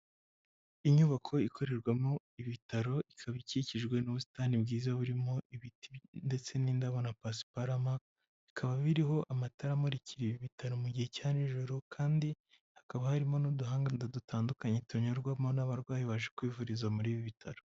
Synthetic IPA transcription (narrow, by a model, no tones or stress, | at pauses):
iɲuβakʰo̞ikʰo̞ɾe̞ɾɡwamo | iβitaɾo̞ikʰaβiciciʒɡwe̞nuβusi̥taːnibɡiːzaoβuɾimo̞ʔiβitinde̞t͡se̞niːndaβonapasi̥paɾama | βikʰaβaβiɾiɦo̞ʔamataɾamoɾicʰiɾiβiβitʰaɾo̞muɟihe̞caniʒoɾukʰaːndi | hakaβahaɾimo̞nuduɦaːŋɡandadutʰaːndukaɲetʰoɲoɾɡwamonaβaɾɡwaːjiβaʒekwiːvuɾizamuɾiːβiβitʰaɾo